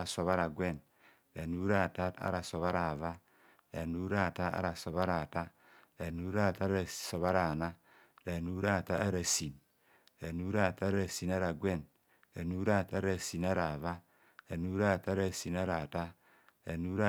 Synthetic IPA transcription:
a˨so˨βa˦ɾa˨ɡʷe˦˨n | ɾa˨nu˦ɾa˦˨ta˦ta̰˦ɾa˨so˨βa˦ɾa˨va˦ | ɾa˨nu˦ɾa˦˨ta˦a̰˦ɾa˨so˨βa˦ɾa˨ta˦ | ɾa˨nu˦ɾa˦˨ta˦ɾa˨so˨βa˦ɾa˨na˦ | ɾa˨nu˦ɾa˦˨ta˦a˦ɾa˨si˨n | ɾa˨nu˦ɾa˦˨ta˦ɾa˨si˨na˦ɾa˨ɡʷe˦˨n | ɾa˨nu˦ɾa˦˨ta˦ɾa˨si˨na˦ɾa˨va˦ | ɾa˨nu˦ɾa˦˨ta˦ɾa˨si˨na˦ɾa˨ta˦ | ɾa˨nu˦ɾa˦

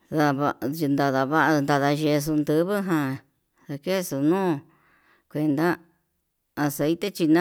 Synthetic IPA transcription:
ða˧βa˧nd̪a˧ða˧βa˦ʔnd̪a˧ða˧ʒe˧s̬u˧nd̪ɨ˧βɨ˦ɦã˧ | ða˧ke˦˧su˧nũː˦ | kʷe˧nd̪a˦ | a˧se˧it̪e˦t͡ʃi˧nã˦

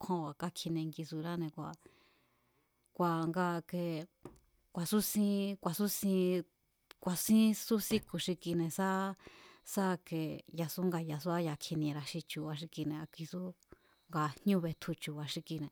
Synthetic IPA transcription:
kʷʰõ˧wa˨ka˦kʰi˧nẽ˧ŋɡi˧su˧ɾa˦nẽ˧˨kʷa˨ | kʷa˨ŋɡa˧ke˧ | kʷa˨su˦sĩ˦˧kʷa˨su˦sĩ˧ | kʷa˧sĩ˦su˦sĩ˦ku˨ʃi˧ki˧nẽ˧sa˦ | sa˦˧ke˧˨ja˧su˦ŋɡa˧ja˨s̬u˦a˦ja˧˨kʰi˧nĩ˧ɾa˧ʃi˧t͡ʃu˧βa˧ʃ̬i˧ki˧nẽ˧a˧kʷi˧su˦ | ŋɡa˧hɲũ˦βe˧t̪ʰu˧t͡ʃu˧˨βa˧ʃi˧ki˧nẽ˨

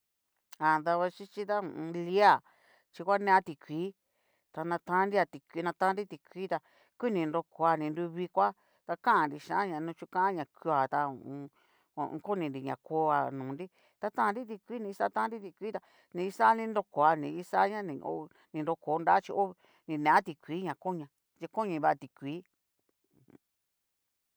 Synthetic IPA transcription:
a˨nd̪a˧βa˧t͡ʃi˦t͡ʃi˦t̪ã˦˧li˦a˦˨ | t͡ʃi˧kʷa˦nẽ˧˦a˦t̪i˧kʷiː˨˦ | t̪a˧nã˧t̪ã˦nɾi˦a˧t̪i˨kʷi˧˦nã˧t̪ã˦nɾi˦t̪i˧˨kʷiː˦t̪a˧ | kʷi˦nĩ˧nɾo˧ko˧a˧nĩ˧nɾu˧βi˧kʷa˦ | t̪a˧kã˦˨nɾi˧ʃã˧˦a˦ɲã˨nũ˧t͡ʃu˦kã˦ã˦ɲã˨ku˧a˨t̪ã˧˨˧ | ko˦nĩ˧˨nɾi˧ɲã˨ko˧˦a˨nũː˨nɾi˦ | t̪a˧t̪ã˦˧ɾi˦t̪̬i˧kʷiː˦nĩ˧sa˦t̪ã˦ɾi˦t̪i˧kʷiː˦t̪a˧ | nĩ˧i˧sa˦nĩ˧ndo˧ko˨a˧nĩ˨˧i˦sa˦ɲã˦nĩ˧o̰˧ | nĩ˧nɾo˧ko˨˦˧nda˦t͡ʃi˧ʔo˦˧ | nĩ˧nẽ˨ã˦t̪i˧kʷiː˨˦ɲã˨ko˦ɲã˨ | d͡ʒi˧ko˦ɲĩ˧βa˦˧t̪i˨kʷiː˨˦˨

